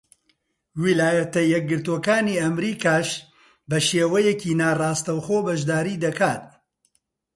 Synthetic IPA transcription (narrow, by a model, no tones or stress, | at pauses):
wilaːjɐt̪ɐjɛk̚ɡɨɾt̪oːkaːniːɐmɾiːkaːʃ | bɐʃeːwɐjɛciːnaːrɑːst̪ɐwxoːbɐʒd̪aːɾiːd̪ɐkaːt̪̚